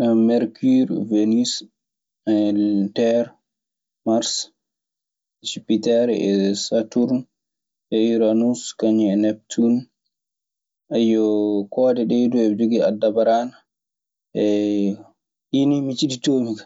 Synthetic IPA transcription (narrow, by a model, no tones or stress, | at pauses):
namɛɾkiɾvenis | tɛɾ | maɾs | d͡ʒipitɛɾɛɛ̰satuɾn | ʔɛiɾanuskaɲiɛnɛp̚tʰun | ʔɛjɔkɔːdɛɗɛduɛd͡ʒuɡia̰dːabaɾana | ʔɛ | ʔinimit͡ʃiditoːmikḁ